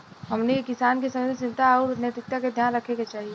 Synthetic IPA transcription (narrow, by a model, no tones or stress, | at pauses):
ɦɐmnekɪsaːnkisɐməd̪t͡ʃɪ̃nt̪aɔʊɾt̪net̪ɪk̚t̪aked̪ʱjaːnɾɐkʰẽɡet͡ʃaːɦie